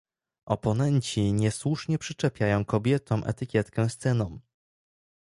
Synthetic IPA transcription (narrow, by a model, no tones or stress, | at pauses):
ʔɔ̰pɔnɛɲt͡ɕiɲɛswuʂɲɛpʂɘt͡ʂɛpʲjajɔ̃w̃kɔbʲjɛt̪ɔ̃w̃mʔɛ̰t̪ɘkʲjɛt̪kɛ̃st̪sɛnɔ̃w̃